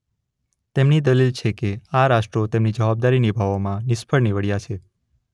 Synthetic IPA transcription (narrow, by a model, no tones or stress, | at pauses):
t̪emnid̪əlilt͡ʃʰekeaɾaʃʈɾot̪emnid͡ʒəʋab̚d̪aɾinibʱaʋomãnɪʃpʰəɭniʋəɽjat͡ʃʰe